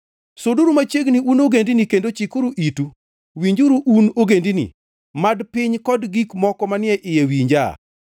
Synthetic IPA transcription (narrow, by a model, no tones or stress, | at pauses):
soduɾumat͡ʃeɡniunoɡendinikendot͡ʃikoɾuʔitu | wiɲd͡ʒuɾuʔunoɡendinḭ | madpɪɲkɔdɡikmɔkɔmanɪɛʔɪjewiɲd͡ʒa̰